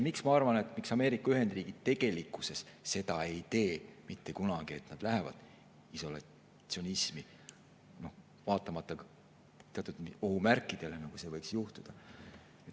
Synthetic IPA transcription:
miksmɑɑrvɑne̞t̪ːˑmiksɑme̞ːɾikːˑɑyɦe̞nd̪riːɡ̥i̥t̪e̞ɡ̥e̞likːˑuse̞sse̞d̪ɑe̞jt̪e̞ːmit̪ːe̞kunɑɡ̥ie̞t̪nɑd̪̥læɦe̞vɑ̰d̪ | iso̞lɑ̰ | sio̞nismi | no | vɑːt̪ːˑɑmɑt̪ːˑɑ | t̪eɑt̪ːˑut̪o̞ɦumærkːˑid̪̥e̞le̞nɑɡ̥use̞ːvɤjksjuht̪ud̪̥ɑ | et̪

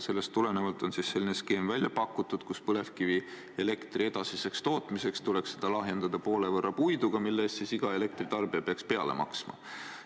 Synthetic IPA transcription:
se̞lːe̞st̪ːule̞ne̞vɑlt̪ˑo̞nsisse̞lːineske̞ːmvælʲjɑpɑkːˑut̪ːˑud̪̥kuspɤle̞fkivi | e̞le̞kt̪rʔie̞d̪̥ɑsise̞kst̪o̞ːt̪ˑmise̞kst̪ule̞ksse̞d̪̥ɑlɑɦje̞nd̪̥ɑd̪̥ɑpo̞ːle̞vɤrːɑpujd̪uɡ̥ɑmilːeːst̪sisiɡ̥ɑe̞le̞k̚t̪rit̪ɑrb̥iɑpeɑkspe̞ɑ̰le̞̰mʔɑ̰ksmɑ̰

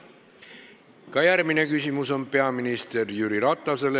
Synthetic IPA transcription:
kɑjærmine̞kysimuso̞npe̞ɑminist̪e̞rjyɾiɾɑt̪ˑːɑse̞le

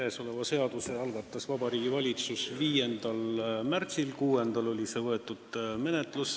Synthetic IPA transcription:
eːso̞le̞vɑse̞ɑd̪̥use̞ɑlɡ̥ɑt̪ːˑɑsvɑb̥ɑɾiːɡ̥ivɑlʲit̪susviːje̞nd̪̥ɑlmært̪silkuːe̞nd̪̥ɑlo̞lʲise̞vɤe̞t̪ːˑud̪̥me̞ne̞t̪ˑlus

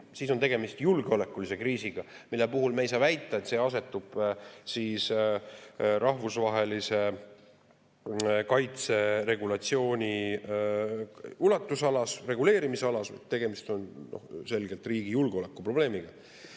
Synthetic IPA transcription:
siːsot̪e̞ɡe̞mist̪julɡ̥eo̞le̞kːˑulise̞kriːsiɡ̥ɑmilːepuɦulmeejs̬ɑːvæjt̪ːˑɑet̪se̞ːɑs̬e̞t̪ːˑub̥siːs | ɾʔɑhvusvɑɦe̞lise̞ | kɑjt̪se̞ɾe̞ɡulɑt̪sio̞ːnʲi | ulɑt̪ːˑusɑlɑsre̞ɡule̞ːɾimiseɑlɑsɑ̰d̪t̪e̞ɡ̥e̞mist̪o̞nno̞̰hse̞lɡ̥elt̪ˑriːɡ̥ijulɡ̥eole̞kːˑupro̞b̥le̞ːmiɡ̥ɑ

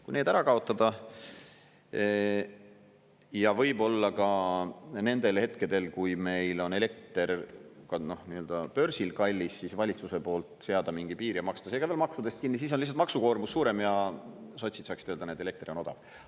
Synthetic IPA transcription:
kujneːd̪æɾɑkɑo̞t̪ˑːɑd̪̥ɑ | jɑvɤjbo̞lːɑkɑ | ne̞nd̪̥e̞lhe̞t̪ke̞d̪e̞lkujme̞jlo̞ne̞le̞k̚t̪eɾkɑno̞hniøld̪̥ɑpø̞rsilkɑlʲːisːisvɑlʲit̪suse̞po̞ːlt̪ˑse̞ɑd̪̥ɑmiŋɡipiːɾiɑmɑkst̪ɑseːɡɑvelmɑksud̪est̪̚kinːis̬iːs̬onlihs̬ːɑt̪mɑksuko̞ːɾmusːuːɾe̞mjɑso̞t̪ʲsit̪sɑːksi̥t̪øːld̪ɑneːd̪eekt̪rio̞no̞d̪̥ɑ̰v

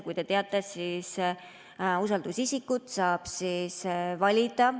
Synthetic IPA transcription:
kujt̪e̞t̪eɑt̪ːˑesiːs | usɑld̪̥usisikːut̪sɑːb̥sisvɑlʲid̪̥ɑ

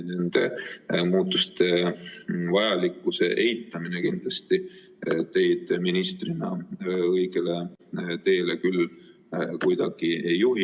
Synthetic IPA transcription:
nend̪̥e̞muːt̪ːˑust̪e̞ | vɑjɑlikːˑuse̞̰ʔe̞jt̪ːˑɑminekind̪̥lɑst̪i | t̪e̞jd̪̥minist̪rinɑ̰ɤjɡele̞t̪e̞ːlekyl | kujd̪ɑɡ̥iejːuɦi

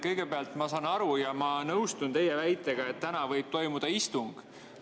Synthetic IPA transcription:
kɤjɡ̥e̞peɑlt̪ˑmɑsɑːnɑɾujɑmɑnɤwst̪unt̪e̞jevæjt̪ːˑe̞ɡ̥ɑe̞t̪ːænɑvɤjb̥̚t̪o̞jmud̪̥ɑist̪uŋɡ̥

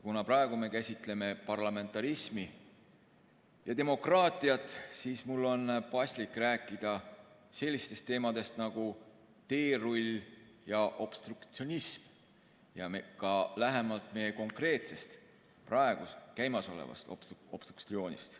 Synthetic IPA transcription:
kunɑpɾɑe̞ɡ̥ume̞kæsʲit̪ˑle̞me̞pɑrlɑme̞nt̪ːˑɑɾismi | jɑt̪e̞mo̞krɑːt̪ːˑiɑt̪ːˑsiːsmulːo̞npɑsʲlikːˑræːkːˑid̪̥ɑ | se̞lʲːist̪e̞st̪ːe̞ːmɑd̪̥e̞st̪nɑɡ̥u | t̪e̞ːrulʲ | jɑʔo̞b̥st̪rukt̪sio̞nism | jɑkɑlæɦemɑlt̪ˑme̞jeko̞ŋkre̞ːt̪se̞st̪ | prɑe̞ɡ̥uskæjmɑso̞̰lḛvɑ̰st̪ob̥st̪uksio̞ːnʲḭst̪

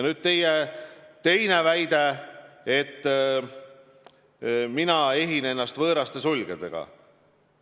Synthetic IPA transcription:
nyd̪̥̚t̪e̞jet̪e̞jnevæjd̪e̞et̪ː | minɑe̞ɦine̞nːɑst̪vɤːɾɑst̪e̞sulʲɡ̥ed̪̥e̞̰ɡ̥ɑ̰

